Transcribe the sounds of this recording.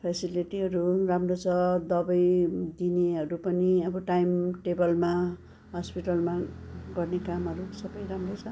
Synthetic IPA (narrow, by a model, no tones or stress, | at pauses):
pʰesiliʈiɦʌɾuramrot͡sʰʌd̪ʌbʌjd̪ineɦʌɾupʌniʌbʌʈajmʈebʌlma | ɦʌspiʈʌlmaɡʌrnekamɦʌɾusʌbʌjɾamrot͡sʰʌ